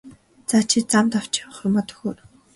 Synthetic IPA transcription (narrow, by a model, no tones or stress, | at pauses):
t͡saːt͡ɕʰit͡samt̪ɔw̥t͡ɕaw̆χʊrmɔt̪ɞ̥̆xoːr